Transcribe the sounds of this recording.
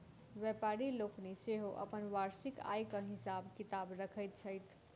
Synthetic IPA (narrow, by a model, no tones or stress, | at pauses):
ʋjɛpaɾilokneseɦoʔə̰pənʋaɾsika̰jkəɦisabkit̪abɾəkʰəjt̪̚t͡ʃʰəjt̪ʰ